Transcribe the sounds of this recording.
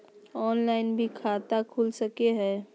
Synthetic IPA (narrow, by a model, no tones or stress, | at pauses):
ɔːnlaːɪnbʱikʰaːt̪akʰuːlsəkeɦɛː